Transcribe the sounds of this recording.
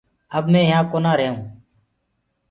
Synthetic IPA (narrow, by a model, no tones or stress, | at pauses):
əbmẽːjãːkoːnãːɾeːũː